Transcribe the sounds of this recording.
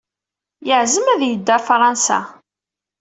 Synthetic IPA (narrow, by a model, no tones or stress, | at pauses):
jəʕzəmæðjəd̪ːæfɾˤɑnsæ̰